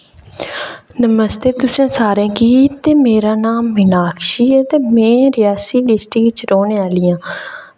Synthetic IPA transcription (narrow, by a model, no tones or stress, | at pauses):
nəməst̪eːt̪ʊsẽːsaːɾẽːkiːt̪eːmeːɾaːnaːmːɪnaːkʰʃiːət̪eːmɛ̃ːɾɪjaːsiːɖɪsʈɪkt͡ʃɾoːɳeaːlɪãː